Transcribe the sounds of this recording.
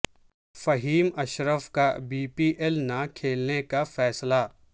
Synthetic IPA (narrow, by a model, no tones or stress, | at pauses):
fɐɦiːmɐʃɾəfkabiːpiːʔɛlnakʰeːlnekafɛːsla